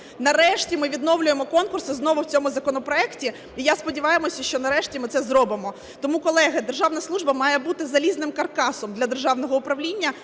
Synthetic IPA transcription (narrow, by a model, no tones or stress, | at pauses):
nɐɾɛʃtʲimɪʋʲid̪nɔwlʲʊjemɔkɔnkʊrsɪznɔʋʊwt͡sʲɔmʊzɐkɔnɔpɾɔɛktʲi | ijaspɔdʲiʋɑjemɔsʲɐʃt͡ʃɔnɐɾɛʃtʲimɪt̪sɛzɾɔbɪmɔ | t̪ɔmukɔlˠɛɦɐd̪erʒɑʋnɐslˠuʒbɐmɑjɛbut̪ɪzɐlʲiznɪmkɐrkɑsɔmd̪lʲɐd̪erʒɑwnɔɦɔʊpɾɐʋlʲinʲːɐ